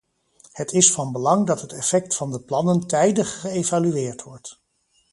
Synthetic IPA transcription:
hətʰɪsfɑnbəlɑŋdɑtɦətɛfɛk̚tfɑndəplɑnəntɛjdəχːəejvalyʋɪːɹtʋɔɹt

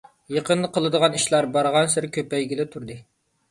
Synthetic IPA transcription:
jeqənd̪əqʰəlˠɨd̪əʁɑniʃlˠɑɾbɑɾʁɑnsɪɾɪkʲøpɛjɡʲilɪt̪ʰuɾd̪ɨ

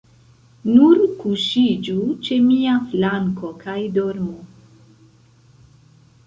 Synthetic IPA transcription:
nuɾkuʃid͡ʒut͡ʃe̞miaflaŋko̞kʰajdoɾmo

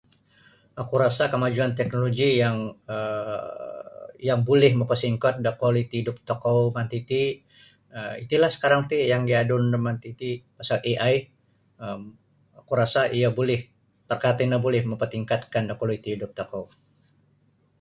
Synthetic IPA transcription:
ʔakuɾasakəmad͡ʒuant̪ɛk̚noloɡijaŋə | jaŋbolɛhməmpərsiŋkɔt̪̚dakɔlit̪iidʊp̚t̪okowmant̪it̪i | əit̪ilahsə̥kaɾaŋt̪ijaŋdiadʊndəmant̪it̪ipasalʔiʔaj | əm | akuɾasaʔijabolɛh | p̪ərkat̪inabolɛhməmpərt̪iŋkat̪kandakɔloit̪iɦidʊp̚t̪okow

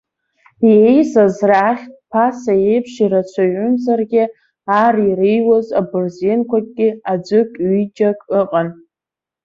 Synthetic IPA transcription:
jejsazraχʲtʼpʰasajejpʰʂiɾat͡ʃʷʰaɥʊnzarɡʲɪ | arirejwazabɨrzenkʷakʼɡʲɪad͡ʒʷɨkʲʼɥid͡ʒʼakʼɨqʼan

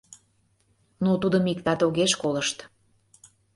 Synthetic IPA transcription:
nut̪ud̪əmikt̪ɑt̪oɣeʃkoləʃt̪

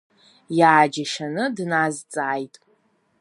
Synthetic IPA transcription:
jaːd͡ʒaʃanɨdnazt͡sʼaːjtʼ

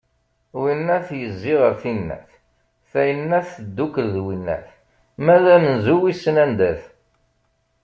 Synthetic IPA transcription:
winːæθjəzːiʁəɾθinːæ̰θ | θæjənːæθːəd̪ːukəlðwinːæ̰θ | mæðæmənzuwisːənænd̪æθ

